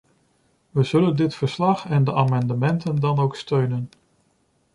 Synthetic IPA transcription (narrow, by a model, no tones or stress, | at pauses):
ʋəz̥ɵləndɪtfəɹslɑχɛndəʔaːmɑndəmɛntəndɑnowkstøɥnən